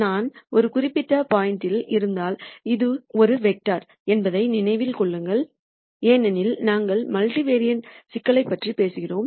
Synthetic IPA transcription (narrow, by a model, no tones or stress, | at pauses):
naːnɔɾɯkʊrɪpːɪʈːɐpaːjɪnʈɪlɪɾɯnd̪aːlɪðɯɔɾɯʋɛk̚ʈaːɾ | ɛnbɐðɐɪnɪnɐɪʋɪlkɔɭːɯŋɡɐɭ | eːnɐnɪlnaːŋɡɐɭmɐlʈiʋeːɾɪjɐnsɪkːɐɭɐɪpːɐʈripeːsɯɣɪroːm